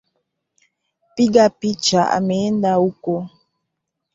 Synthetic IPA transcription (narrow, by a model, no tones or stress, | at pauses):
piɡapit͡ʃaʔa̰mendauko